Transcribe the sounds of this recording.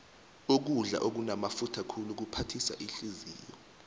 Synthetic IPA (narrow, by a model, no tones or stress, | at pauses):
uk̬uɮa̰ʔok̬unamafutʰakʰuluk̬upʰatʰisa̰ʔiɬiziːjɔ